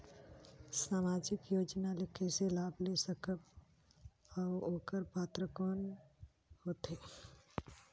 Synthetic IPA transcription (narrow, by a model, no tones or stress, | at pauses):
saːmaːd͡ʒɪkjoːd͡ʒnalɪkʰeselaːblesəkəb | ɔːoːkəɾpaːt̪ɾəkɔːn | hoːt̪eː